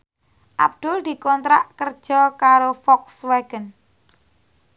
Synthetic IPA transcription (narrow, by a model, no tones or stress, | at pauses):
ʔa̰b̚d̪̥ʊld̪̥i̤kɔnt̪ɾaʔkər̥ʒ̥ɔkaɾofɔksweɡ̥ən